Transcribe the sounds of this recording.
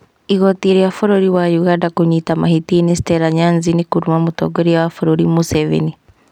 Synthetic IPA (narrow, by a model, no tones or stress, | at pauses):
iɣɔtiɾiafɔɾɔɾiwajuɣandakoɲitamahitinisi̥tɛɾaɲanzinikuɾumamotɔ̰ɡoɾiawafɔɾoɾimusɛvḛni